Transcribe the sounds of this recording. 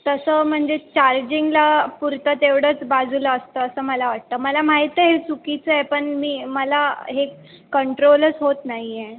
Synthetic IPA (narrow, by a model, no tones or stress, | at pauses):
t̪əsəm̤əɳd͡zet͡ɕaɾd͡ʑiŋɡlapuɾt̪ət̪eʋɽəːt͡sbad͡zʱuləəst̪əːsəːməlaʋaʈ̚t̪əːməlamaɦit̪əɦet͡sukit͡səepəɳmiːməlaɦe | kəɳʈɾoləsɦot̪naɦije